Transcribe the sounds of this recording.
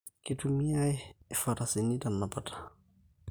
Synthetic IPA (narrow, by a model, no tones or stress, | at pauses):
kitumiajɛfatasinitanːapatʰḁ